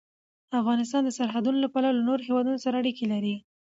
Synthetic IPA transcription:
afɣɑnɪst̪ɑnd̪əsaɾɦad̪unolapɑɾalanoɾoɦewɑd̪unosaɾaːɽikelaɾi

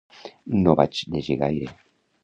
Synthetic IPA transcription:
noβa̰t͡ʃd̪eʒeɣajɾe

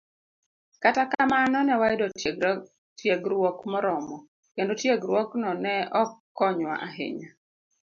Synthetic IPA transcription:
katakamanɔnɛwaɪdɔ | tʰjeɡɾwɔkmɔɾɔmɔ | kendotjeɡɾwɔknɔnɛɔkːɔɲwa̰ʔaɦɪ̰ɲa

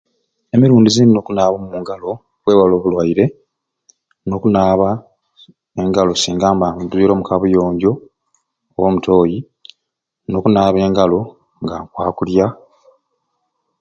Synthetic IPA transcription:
emiɾuːndizinno̞kunaːβomuːŋɡalo̞ | βwe̞ːβwaloːβulwaiɾe̞ | no̞ːkunaːβa | eŋɡalo̞siːŋɡaːmbamduiɾo̞ːmukaβujo̞ːɲɟo̞ː | womuto̞ːji | no̞ːkunaːβe̞ːŋɡalo̞ | ŋɡaŋkwaːkulja

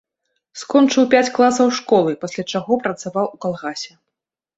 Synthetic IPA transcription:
skɔnt͡ʂɨwpʲat͡sʲklˠasɐwʂkɔlˠɨpasʲlʲat͡ʂaɣɔpɾɐt̪savawukalˠɣasʲɛ

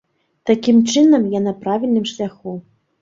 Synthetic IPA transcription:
t̪akʲimt͡ʂɨnɐmjanɐpɾavʲilʲnɨmʂlʲaxu

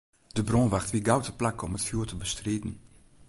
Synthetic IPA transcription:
d̥əbrõːnʋaxtʋiɡawtəplakɔmətfjuːtəbəstreːdn̩

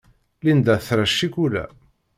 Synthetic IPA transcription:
lind̪æθɾæʃːikulæ̰

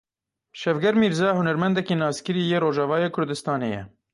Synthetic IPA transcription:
ʃɛvɡɛɾmiːɾzɑːhʊnɛɾmɛnd̪ɛkiːnɑːskɨɾiːjeːɾoːʒɑːvɑːjeːkʰʊɾd̪ɨst̪ɑːnḛːjɛ̰

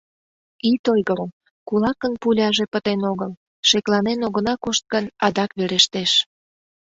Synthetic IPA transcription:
it̪ojɣəɾəm | kulɑkənpulʲɑʒepət̪enoɣəl | ʃeklɑnenoɣənɑkoʃt̪̚ɡənɑd̪ɑkβeɾeʃt̪eʃ

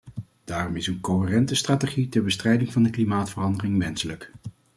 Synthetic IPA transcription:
d̥aːrɔmɪsənkoɦərɛntəstraːteχitɛɹbəstrɛjdɪŋvɑndəklimaːtfərɑndərɪŋʋɛnsələk

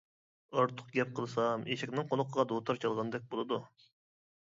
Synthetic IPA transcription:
ɑɾt̪ʰʊ̥q̚ɡʲɛp̚qʰəlˠɨsɑmeʃɛkʲnɪŋqʰolˠʊqʰəʁɑd̪ot̪ʰɑɾt͡ʃʰɑlˠʁɑnd̪ɛk̚ʲbolˠɨd̪u

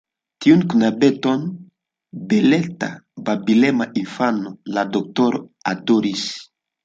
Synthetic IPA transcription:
tiunkunabɛtɔn | belɛta̰babilɛmaʔifanoladɔk̚tɔɾadoɾis

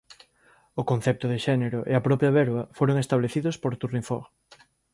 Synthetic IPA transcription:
ʊkon̟θɛp̚t̪ʊðɪʃɛneɾʊʔeɐpɾɔpjɐβɛɾβɐfoɾoŋest̪aβleθiðospoɾt̪uriɱfo̰ɾ

